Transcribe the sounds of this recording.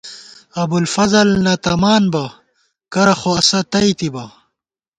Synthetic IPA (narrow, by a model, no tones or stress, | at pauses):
ɐbulfɐzɐlnɐt̪ɐmaːnbɐ | kɐɾɐxoɐsɐt̪ɐit̪ibɐ